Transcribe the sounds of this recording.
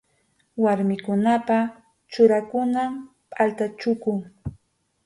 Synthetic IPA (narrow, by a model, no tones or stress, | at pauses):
waɾmɪkʊnapa | t͡ʃʊɾakʊnam | pʼalt̪at͡ʃʊkʊŋ